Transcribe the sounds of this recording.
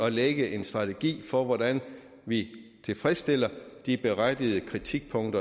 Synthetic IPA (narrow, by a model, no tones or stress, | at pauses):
ɒ̽leɡ̥əʔe̝nsd̥ʁɑ̈t͡sʰeɡ̥ḭːfɒ̽ʋɒd̥æn | ʋit͡sʰe̝lfʁɛsd̥e̝l̰ɐd̥ib̥e̝ʁad̥ið̞ˠəkʰʁit͡sʰiɡ̥̚pʰɔ̽ŋd̥ɐ